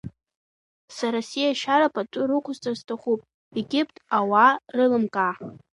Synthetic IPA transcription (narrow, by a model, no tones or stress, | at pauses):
saɾasijaʃaɾapʼatʷʼʊɾɨqʷʰʊzt͡sʼaztʰaχupʼ | eɡʲɪpʰʼtʼawarɨlɨmkʼa